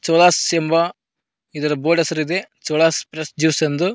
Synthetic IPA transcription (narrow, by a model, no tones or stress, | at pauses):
t͡ʃoːlaːsembɐ | id̪ɐɾɐboːɖɐsɐɾid̪e̞t͡ʃoːlaːspɾesd͡ʒiʋsɐnd̪u